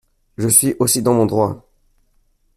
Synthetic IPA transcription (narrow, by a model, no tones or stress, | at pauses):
ʒəsɥiʔosid̪ɑ̃mɔ̃d̪ʁwa